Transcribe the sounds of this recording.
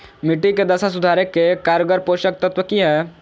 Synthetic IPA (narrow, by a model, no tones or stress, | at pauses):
mɪʈːiked̪ɐsasʊd̪ʱaːɾekːekaːɾjəɡəɾpoːʃək̚t̪ɐt̪ʋəkiɦɛː